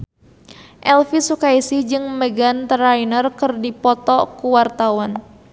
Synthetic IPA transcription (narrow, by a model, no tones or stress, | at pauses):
ʔɛlfisukaisihd͡ʒɨŋməɡant̪ɾainərkɨrdipɔt̪ɔkuwart̪awan